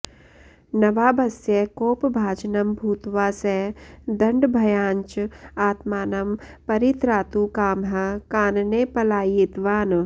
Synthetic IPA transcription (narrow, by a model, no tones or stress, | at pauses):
nɐʋaːbɐsjɐkoːpbʱaːd͡ʒnɐmbʱuːt̪ʋaːsed̪ɐɳɖbʱɐjãːɲt͡ʃaːt̪maːnɐmpɐɾit̪ɾaːt̪uːkaːmɦɐkaːnnepɐlaːjit̪ʋaːn